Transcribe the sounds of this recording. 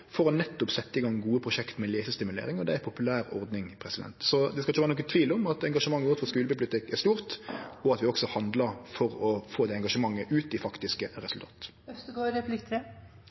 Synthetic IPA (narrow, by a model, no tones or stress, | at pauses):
fɔɾɔnɛt̪ːɔpsɛt̪ːəɪɡɑŋːɡuːəpʰɾʊʂɛkt̪mɛleːsəst̪ɪmʉlḛːɾɪŋɔd̪ɛæpʰʊpʉlæːɾɔ̰ɾd̪nɪŋpʰɾɛsɪd̪ɛ̰nt̪sɔd̪ɛskɑlɪçəʋæːɾnɔkːət̪ʰʋiːlɔmɑt̪ɛŋɡɑʂəmɑŋːəʋʊt̪fɔskʉːləbɪpʊlɪt̪ɪkːæʁst̪uːɾt̪ɔɑt̪ʋɪɔksɔhɑnd̪ləɾfɔɾɔfoːd̪ɛɛŋɡɑʂəmɑŋːəʔʉːt̪ɪfɑkt̪ɪskəɾɛsʉlt̪ʰɑ̰ːt̪ | œst̪ɡoːɾɛplɪkt̪ʰɾɛ